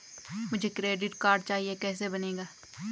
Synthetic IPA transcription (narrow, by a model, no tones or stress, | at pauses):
mʊd͡ʒʱekɾeːɖɪʈkaːɾɖ̚t͡ʃaːɦiekɛːs̬ebɐneːɡaː